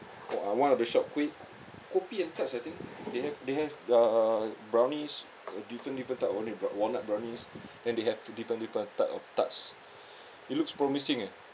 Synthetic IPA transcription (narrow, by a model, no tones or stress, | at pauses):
awãnɔfdəʃɔp̚kwet̚ | kopiɛ̃ntatsajt̪ĩŋkdehɛvdeɦɛvabɹãwnĩs | ədifɹə̃ndifɹə̃ntatõnliwɔnat̚bɹãwnĩsdɛ̃ndeɦɛvdifɹə̃ndifɹə̃ntːajtɔ̰ftats | it̚lukspɹɔmisĩŋɛ